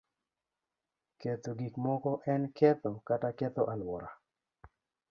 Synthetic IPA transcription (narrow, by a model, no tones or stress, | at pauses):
ket̪oɡikmɔkɔʔɛnkɛt̪okatakɛt̪ɔʔalwɔɾa